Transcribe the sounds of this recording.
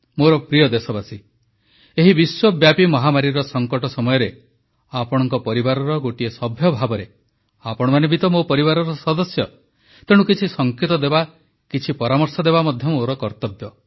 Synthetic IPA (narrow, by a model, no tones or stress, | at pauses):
moɾɔpɾijɔd̪esɔbasi | eɦibiswɔbjapimɔɦamaɾiɾɔsɔŋkɔʈɔsɔmɔjɔɾe | apɔɽ̃ɔŋkɔpɔɾibaɾɔɾɔɡoʈiesɔbʱjɔbʱabɔɾe | apɔɽ̃ɔmanebit̪ɔmopɔɾibaɾɔɾɔsɔd̪ɔsjɔ | t̪eɽ̃ukit͡ʃʰisɔŋket̪ɔd̪eba | kit͡ʃʰipɔɾamɔɾsɔd̪ebamɔd̪ʱjɔmoɾɔkɔɾt̪ɔbjɔ